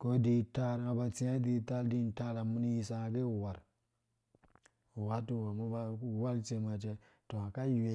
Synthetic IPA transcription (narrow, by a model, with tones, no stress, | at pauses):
ko˦di˦ta˦ɾŋa˨ba˨t͡si˦a˦di˦ta˦ldi˦˨n˨ta˦la˨mu˦ni˦ji˨sa˦a˨ɡe˦˨wa˨ɾ | wa˦tu˦wa˨mu˦ba˦˨wa˦lt͡ʃe˨ma˨t͡ʃe˦ | to˨a˨ka˦jwe˦